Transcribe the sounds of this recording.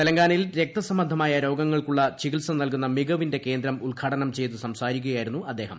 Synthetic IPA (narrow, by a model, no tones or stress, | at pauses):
t̪elɐŋɡaːnɐilɾe̞k̚t̪ɐsɐmbɐnd̪ʱɐmaːjɐɾo̞ːɡɐŋːɐɭkuɭːɐt͡ɕiɡiʈsɐmnɐlkunːɐmiɡɐʋinde̞ke̞ːnd̪ɾɐmulkʰaːʈɐnɐmt͡ɕe̞jt̪usɐmsaːɾik̬ʲːuɣɐjaːjiɾunːuɐd̪ːe̞ːɦɐ̰m